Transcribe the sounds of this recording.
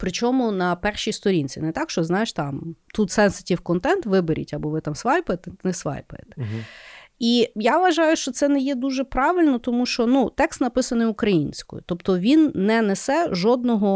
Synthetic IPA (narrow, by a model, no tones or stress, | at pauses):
pɾɪt͡ʃɔmʊnɐpɛrʃijst̪ɔɾʲinʲt͡sʲinɛt̪ɑkʃt͡ʃɔznɑjeʃt̪ɑmt̪ut̪sɛnsɐ̥tʲiwkɔnt̪ɛnt̪ʋɪbeɾʲḭtʲɐbɔʋɪt̪ɑmsʋɑjpʊjet̪ɛnɛsʋɑ̰jpjḛt̪ɛ̥ | ijaʋʋɐʒɑjʊʃt͡ʃɔt̪sɛnɛjɛd̪uʒɛpɾɑʋɪlʲnɔt̪ɔmuʃt͡ʃɔnut̪ɛkst̪nɐpɪsɐnɪjʊkɾɐjinʲsʲkɔ̰jʊ̰t̪ɔpt̪ɔʋʲinːɛnesɛʒɔd̪̚nɔɦɔ